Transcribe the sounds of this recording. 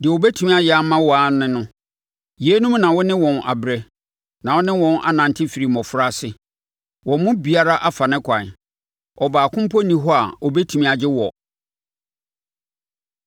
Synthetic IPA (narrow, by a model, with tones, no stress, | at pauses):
dɪ˨ɛ˨o˨bɛ˦tʰu˨mĩ˦a˨jɪ˦a˦mã˦wɔ˨a˨˦nɪ̃˦nʊ̃˦ | je˦nũ˦mnã˨wɔ˦nɪ̃˦wɔ̃˨na̰˨bɾɛ˦ | nã˨wɔ˦nɪ̃˦wɔ̃˨nʔa̰˨nã˨n˨tʰɪ˦fi˨ɾi˨mɔ̃˨fʊ˦ɾa˦sɪ˨ | wɔ̃˨mʊ̃˦bi˨a˦ɾa˦ʔa˦fa˨nɪ̃˦kʷʰã˨ | ɔ˨baː˨kʰʊ̃˦m˦pʰɔ˦nĩ˨ɦɔ˦a˨ɔ˨bɛ˦tʰu˨mĩ˦a˨d͡ʑɪ˦wɔ˨